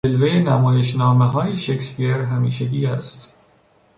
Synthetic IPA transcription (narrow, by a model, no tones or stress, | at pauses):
elvejenæmɒːjeʃnɒːmeɦɒːjeʃekspieɾɦæmiːʃæɡʲiːæst̪